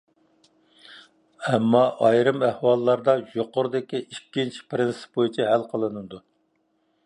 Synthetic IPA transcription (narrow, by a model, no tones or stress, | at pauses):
ɛmːɑʔɑjɾɨmæhwɑlˠːɑɾd̪ɑjoqʊɾd̪ɪkʲiʔikʲːint͡ʃʰi̥pɾɪnsɪ̥p̚bojut͡ʃʰɛɦælqʰəlˠɨnɨd̪u